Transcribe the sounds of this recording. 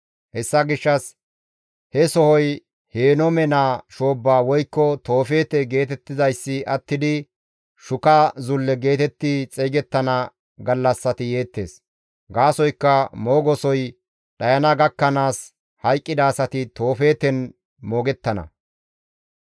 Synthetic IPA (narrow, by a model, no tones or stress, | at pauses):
hɛsːɐɡɪʃːɐs | hɛsɔhɔj | heːnɔmɛnaːʃoːbːaːwɔjkːɔt̪o̞ːfe̞ːt̪ɛɡe̞ːt̪ɛt̪ːɪzɐjsːɪʔɐt̪ːɪd̪ɪ | ʃʊkɐzʊlːɛɡe̞ːt̪ɛt̪ːɪt͡sʼɛjɡɛt̪ːɐnɐ | ɡɐlːɐsːɐt̪ɪje̞ːt̪ːe̞̰ːs | ɡaːsɔjkːɐmo̞ːɡɔsɔj | ɗɐjɐnɐɡɐkːɐnaːs | hɐjkʼːɪd̪aːsɐt̪ɪt̪o̞ːfe̞ːt̪ɛn | moːɡɛt̪ːɐnɐ̰